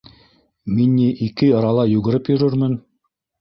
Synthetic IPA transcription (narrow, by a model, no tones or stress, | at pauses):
minːiʔikɘɑ̆ɾɑlˠɑjuɣɘ̆ɾɘpjɵ̆ɾɵɾmɘn